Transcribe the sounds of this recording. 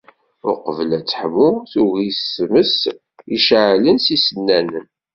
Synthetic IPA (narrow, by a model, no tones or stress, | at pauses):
ʊ̰ɾqəvəlæt͡sːə̥ħəmʊθuɣisməs | iʃʕlənsisənːænən